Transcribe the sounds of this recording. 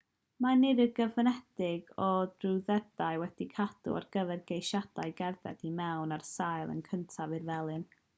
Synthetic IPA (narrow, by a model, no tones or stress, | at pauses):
manɪdəɡəvənɛd̥ɪɡɔdruwðɛd̥ajwɛd̥ikʰad̥ṵa̰rɡəvɛrɡejʃad̥ajɡɛrðɛ̰dimɛwnarsajlˠə̰nkʰəntʰavɨrvɛlˠɨn